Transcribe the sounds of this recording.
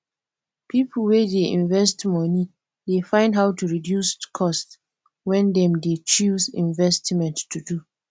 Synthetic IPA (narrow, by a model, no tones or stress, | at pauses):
pʰipʰl̩wɛdeḭ̃nvɛstmɔni | defãɪ̃ndɦaʊtuɹidjuskʰɔst | wɛ̃ndɛ̃mdet͡ʃuzḭ̃nvɛstmɛ̃ntːudu